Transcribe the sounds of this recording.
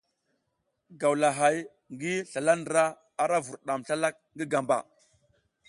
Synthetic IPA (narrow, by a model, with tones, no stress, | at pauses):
ɡa˨wla˨ɦa˨j | ŋɡi˦ɬa˨la˦n˨ɾa˦ | a˨ɾa˦vu˨ɾɗa˨mɬa˦la˦k̚ŋɡi˦ɡa˨mba̰˨